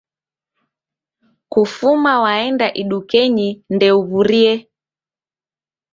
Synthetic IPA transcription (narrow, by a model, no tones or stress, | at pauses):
kufumawaɛndaʔiɗukɛɲindɛuβuɾiɛ